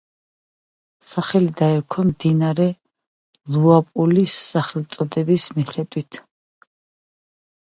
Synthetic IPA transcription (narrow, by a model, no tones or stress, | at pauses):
saχɛlid̪aɛɾkʰɔmd̪inaɾɛ | luapʼulisːaχɛlˠt̪sʼɔd̪ɛbismiχɛd̪wit̪ʰ